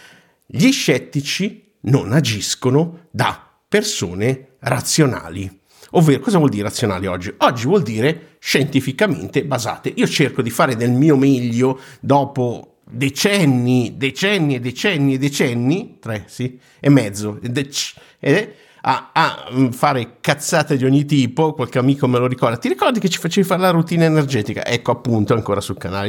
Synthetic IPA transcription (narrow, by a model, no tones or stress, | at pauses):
ʎiʃːɛt̪ːit͡ʃi | nonad͡ʒiskonʊd̪a | pːersoːne | rat̪sːjona̰ːli | ovːeːɾokɔːzavwɔld̪iːɾeɾat̪sːjona̰ːliɔd͡ʒːiɔd͡ʒːivwɔld̪iːɾe | ʃent̪ifikamḛnt̪ebaza̰ːt̪eʔiːot͡ʃerkod̪ifaːɾed̪elmiːomeʎːod̪ɔːpo | d̪et͡ʃɛnːid̪et͡ʃɛnːied̪et͡ʃɛnːied̪ːet͡ʃɛnːit̪ɾɛsi | emːɛd̪zːod̪ɛt͡ʃ | ed̪ɛ | a̰a̰faːɾekat̪sːaːt̪ed̪iɔɲːit̪iːpokwalkeamiːkomeloɾikɔrd̪at̪iɾikɔrd̪iket͡ʃːi̥fat͡ʃeːvifaːɾelarut̪iːnaenerd͡ʒɛːt̪ika̰ʔɛkːoapːunt̪oaŋkoːɾasukanaːle